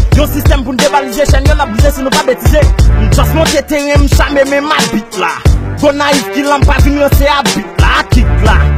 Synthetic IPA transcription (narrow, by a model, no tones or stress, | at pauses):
jɔ̃sist̪ɛmpunud̪ebalizeʃɛ̃njõnap̚lizesinũpabetizeñ̩d͡ʒãsmɔ̃tet̪eɣɛ̃m̩ʃamemɛ̃mabit̚la̰ɡonaivkilãpaɡinɔ̃seabit̚la̰ːkit̚la̰